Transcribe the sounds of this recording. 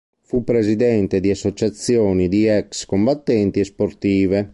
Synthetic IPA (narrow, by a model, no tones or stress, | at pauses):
fupːɾezid̪ɛnt̪ed̪iasːot͡ʃat̪sjɔːnid̪iɛkskombat̪ːɛnt̪iɛspoɾt̪iːve